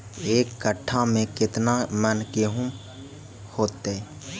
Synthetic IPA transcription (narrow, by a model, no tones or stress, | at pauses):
eːkːəʈʰːamẽkɪt̪namənkeːɦũ | hoːt̪ːe